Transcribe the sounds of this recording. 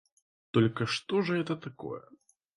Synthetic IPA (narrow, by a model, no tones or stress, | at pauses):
t̪ɔlʲkɐʂt̪ɔʐɐɦɛt̪ɐt̪akɔ̰jɛ̰